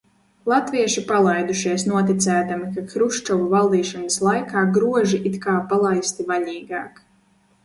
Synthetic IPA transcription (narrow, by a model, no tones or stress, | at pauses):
lˠat̪viɛʃipalˠajd̪uʃiɛsnuɔt̪it̪sæːt̪amikakɾuʃt͡ʃɔvuvalˠd̪iːʃɔnaslˠajkaːɡɾuɔʒiʔit̪kaːpalˠajst̪ivaʎiːɡaːk